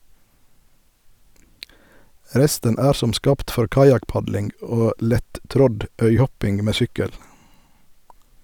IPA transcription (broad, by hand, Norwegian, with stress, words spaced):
ˈɾɛstən ˈæːɾ ˈsɔm ˈskɑːpt ˈfɔɾ ˈkɑjɑkˌpɑdlɪŋɡ ˈoː ˈlɛtˌtɾɔd ˈœʏˌhɔpɪŋ ˈmeː ˈsʏkəl